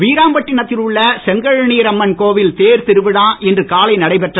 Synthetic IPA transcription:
ʋiːɾaːmbɐʈːɪnɐt̪ːɪlɯɭːɐsɛŋɡɐɻɳiːɾɐmːɐnkoːʋɪlt̪eːɾt̪ɪɾɯʋɯɽaːʔɛndrɯkaːlɐɪnɐɽɐɪpɛʈrɐ

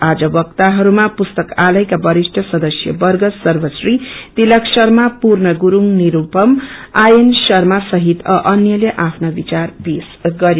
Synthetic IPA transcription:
ad͡zʌbʌkt̪aɦʌɾumapust̪ʌkalʌjkabʌɾisʈʰʌsʌd̪ʌsjʌ̰bʌrɡʌsʌrbʌsrit̪ilʌksʌrmapurnʌɡuɾuŋniɾupʌmajensʌrmasʌɦit̪ʌʔʌnjʌleʔapʰnʌbit͡sarpesɡʌɾj

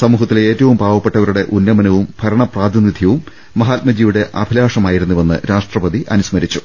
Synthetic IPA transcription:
sɐmuːɦɐt̪ːile̞ːtːɐʋumbʱaːʋɐpːe̞ʈːɐʋɐɾuɽe̞ʔunːɐmɐnɐʋumbʱɐɾɐɳɐpraːd̪inːid̪ʱjɐʋumː | ɐɦaːt̪̚mɐd͡ʑijuɽe̞ʔɐbʱilaːʂɐmaːjiɾunːuʋenːɨ̰ɾaːʂʈrɐpɐd̪iʔɐ̰nusmɐɾit͡ɕːu̥

